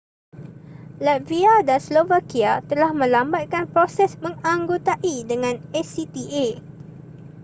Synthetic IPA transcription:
lat̪viadanslovakiat̪əlahmə̃lambat̪̚kanpɾosɛsmə̃ŋãŋɡot̪aʔidəŋãnɛsit̪iʔe

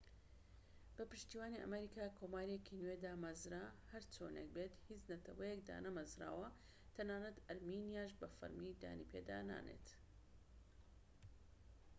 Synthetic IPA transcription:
bɐpɨʃt̪iːwaːniʔɐ̰mɐɾiːkaːkʰoːmaːɾijekʰinwed̪aːmɐzɾahɐɾt͡sʰo̰nḛk̚beːt̪hit͡snɐt̪ʰɐwɐjek̚d̪a̰ːnɐmɐzɾa̰ːwɐ | t̪ʰɐnaːnɐt̪ɐɾminijaːʃ̬bɐfɐ̰ɾmid̪a̰ːnḭpʰḛːd̪a̰ːna̰ːnḛːt̪

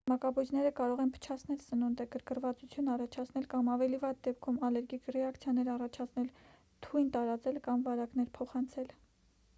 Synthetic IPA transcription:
mɑkɑbujd͡ʒnɛɾəkɑɾɔʁɛnpʰə̥t͡ʃʰɑt͡sʰnɛlsənund̪əɡəɾkəɾvɑt͡sut͡sʰjunɑrɑt͡ʃʰɑt͡sʰnɛlkɑmɑvɛlivɑd̪̚d̪ɛp̚kʰumɑlɛɾɡikʰrɛɑkt͡sʰjɑnɛɾɑrɑt͡ʃʰɑt͡sʰnɛl | t̪ʰujnt̪ɑɾɑt͡sɛlkɑmvɑɾɑkn̪ɛɾpʰɔχɑnt͡sʰɛl

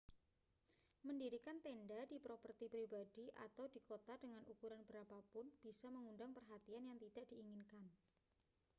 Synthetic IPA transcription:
məndiɾikant̪endadipɾopərt̪ipɾibadiʔa̰t̪awdikot̪adəŋanukuɾanbəɾapapʊnb̥isaməŋundaŋpərɦat̪ianjaŋt̪idaʔd̥iːŋɪnkan

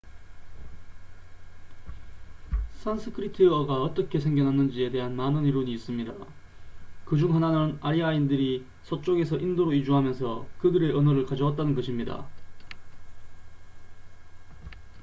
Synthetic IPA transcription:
sʰansʰɯkʰɯɾitʰiʌɡaʌt͈ʌkʰe̞sʰe̞ŋɡjʌnɦanɯnd͡ʑie̞de̞ɦanmanɯniɾoɲiːs͈ɯmɲida | kɯd͡ʑuŋɦananɯnaɾiaindɯɾi | sʰot͡ɕ͈oɡe̞sʰʌʔindoɾoid͡ʑuɦamjʌnsʰʌkɯdɯɾe̞ʔʌnɯɾɯɭkad͡ʑʌwat̚t͈anɯnɡʌɕʰimɲida̰

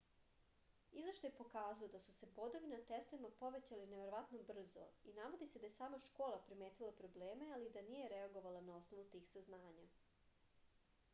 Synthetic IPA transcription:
izvaʃt̪oje̞po̞kaːzaod̪asuse̞bo̞d̪o̞ʋinat̪est̪oʋimapo̞ʋe̞t͡ɕalineʋe̞ɾoʋat̪nobr̩zo̰inaʋo̞d̪ise̞d̪ajesaːmaʃko̞ːlˠapɾime̞ːt̪ilˠapɾo̞ble̞ːme̞alid̪anije̞ɾeaɡo̞ʋalˠanao̞sno̞ʋut̪iːxsaznaːɲa

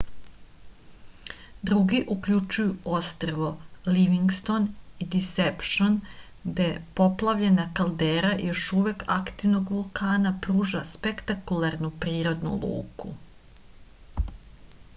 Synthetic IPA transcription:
d̪ɾuɡiʔukʎut͡ʃujuo̞st̪r̩ʋo̞liʋiŋɡst̪o̞nid̪isepʃon | d̪epo̞plˠaʋʎe̞nakalˠd̪eːɾajo̞ʃuʋekakt̪iʋnoɡʋulˠkaːnapɾuːʒaspekt̪akulˠaɾnupɾiːɾo̞d̪nṵlˠṵːkṵ

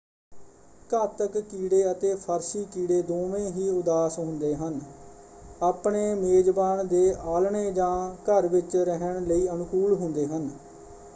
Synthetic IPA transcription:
kəːt̪əkkiːɽeːət̪eːpʰəɾsiːkiːɽeːd̪oːʋẽːɦiːʊd̪aːsɦʊ̃nd̪eːɦən | aːpɳeːmeːd͡ʒbaːɳd̪eːʔaːlɳeːd͡ʒãːkəɾʋɪt͡ʃɾəɦəɳləiːənʊkuːlɦʊ̃nd̪eːɦən

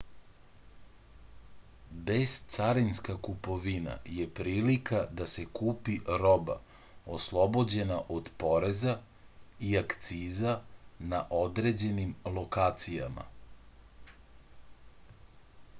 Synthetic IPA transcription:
be̞zt̪saɾinskakupo̞ʋina̰jepɾiːlikad̪ase̞kuːpiɾo̞ba̰ | oslˠo̞bo̞d͡ʑe̞naʔo̞d̪po̞ɾe̞za | iakt̪siːzanaʔo̞d̪ɾe̞d͡ʑe̞nimlˠo̞kaːt̪sija̰ma̰

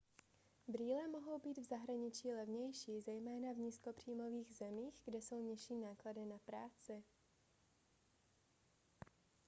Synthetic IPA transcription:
bɾiːlɛmoɦo̞wbiːd̪vzaɦɾaɲɪt͡ʃiːlɛvɲɛjʃiːzɛjmɛːnavɲiːsko̞pr̝̥iːmo̞viːɣzɛmiːxɡdɛso̞wɲɪʃiːnaːkladɪnapɾaːt͡sɪ

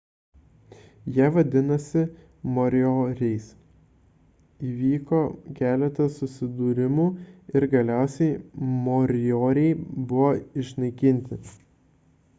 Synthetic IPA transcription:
jiʋɐd̪ʲɪnɐsʲɪ | mɔːɾʲɔːɾʲɛɪs | iːʋʲiːkoːkʲæːlʲɛt̪ɐsʊsʲɪd̪uːɾʲɪmuːɪɾɡɐlʲæˑʊsʲɛɪmɔɾʲɪjoːɾʲɛɪbʊʋoːɪʃnɐɪkʲɪnʲt̪ʲɪ

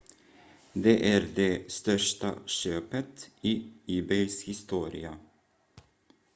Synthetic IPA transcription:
d̪eːʔæːɾd̪eːst̪œʂʈa̰ʃøːpət̪iːyːbɛɪshɪst̪uːɾɪa

